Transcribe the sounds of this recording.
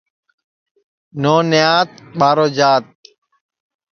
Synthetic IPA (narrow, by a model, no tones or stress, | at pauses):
noːnɪjaːt̪̚ɓaːɾoːd͡ʒaːt̪̚